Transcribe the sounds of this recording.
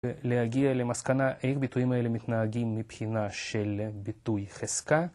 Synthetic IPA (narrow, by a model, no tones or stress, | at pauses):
lehaɡiale̞maskanaʔeχbit̪ujimaele̞mit̪naɦaɡimːipχinaʃelbit̪ujχeska